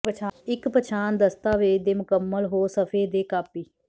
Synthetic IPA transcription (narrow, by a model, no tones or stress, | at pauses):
t͡ʃʰaɪkpət͡ʃʰaːnd̪əst̪aːʋeːd̪eːmʊkəmːəlɦoːsəfʰeːd̪eːkaːpiː